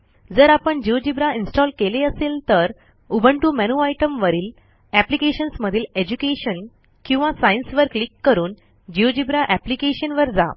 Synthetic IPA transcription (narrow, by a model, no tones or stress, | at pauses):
d͡zəɾapəɳd͡ʑiʋod͡ʑibɾainsʈɔlkeleəselt̪əɾ | ubʱəɳʈumænuajʈəmʋəɾiːl | æplikeɕənsməd̪ʱiːled͡ʑukeɕən | kĩw̃ʋasajinsʋəɾklikːəɾuːn | d͡ʑiod͡ʑibɾaʔæplikeɕənʋəɾd͡za̰